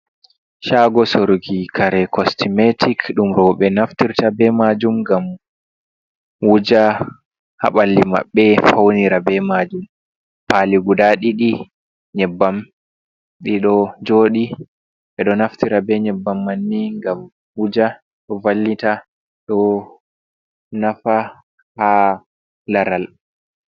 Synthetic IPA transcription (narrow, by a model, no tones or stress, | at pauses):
ʃaɡɔsoɾɡikʰaɾɛkʰɔstimetʰikɗumɾɔɓɛnaftiɾtabɛmad͡ʒumɡam | wud͡ʒa | ha̰ɓalːima̰ɓːɛfawniɾabɛmad͡ʒum | paliɡudaɗiɗi | ɲɛbːam | ɗiɗɔd͡ʒoːɗi | ɓɛɗɔnaftiɾabɛɲɛbːamːanːiŋɡam | wud͡ʒa | ɗɔvalːita | ɗɔ | nafa | ha | laɾal